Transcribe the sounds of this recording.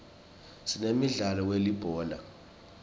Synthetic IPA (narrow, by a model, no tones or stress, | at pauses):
sinemiɮalɔwelib̥ʱɔːla̰